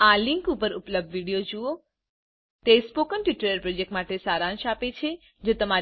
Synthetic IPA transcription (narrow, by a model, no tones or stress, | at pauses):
aliŋkupəɾupləb̚d̪ʋiɽijod͡ʒuo | t̪espokənʈiʈəɾəɾpɾod͡ʒek̚ʈmaʈesaɾãnʃapet͡ʃʰe | d͡ʒot̪əma